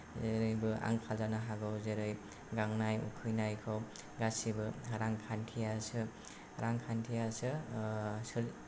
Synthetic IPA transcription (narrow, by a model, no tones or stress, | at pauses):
eɾɯjbɯa̰ŋkʰalzanaɦaɡɯwzeɾɯj | ɡaŋnajṵkʰɯjnajkʰɯw | ɡasibɯɾaŋkʰantʰijasɯ | ɾaŋkʰantʰijasɯ | sɯl